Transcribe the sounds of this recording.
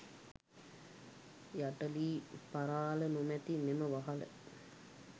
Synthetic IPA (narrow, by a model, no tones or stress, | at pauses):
jaʈəliːpaɾaːlənumæt̪imeməʋaɦalə̰